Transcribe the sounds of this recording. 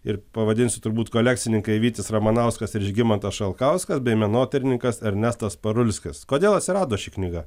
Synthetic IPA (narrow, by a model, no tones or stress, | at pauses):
ɪɾpɐʋɐd̪ʲɪnʲsʲɪt̪ʊɾbuːt̪koːlʲækt̪sʲɪnʲɪŋkɐɪʋʲiːt̪ʲɪsrɐmɐnɐʊskɐsɪɾɪʒʲɡʲɪmɐnt̪ɐsʃɐlˠkɐʊskɐsbʲɛɪmʲɛnoːt̪ʲɛɾʲɪnʲɪŋkɐsɐɾʲnʲæst̪ɐspɐɾʊlʲsʲkʲɪskoːd̪ʲeːlˠɐt̪ʲsʲɪɾɑːd̪oːʃʲiːknʲɪɡɐ